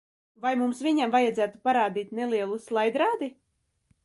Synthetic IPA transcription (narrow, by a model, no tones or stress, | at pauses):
vajmumsvʲiɲamvajad̪zæːt̪u̥paɾaːd̪iːt̪nelˠiɛlˠuslˠajd̪ɾaːd̪i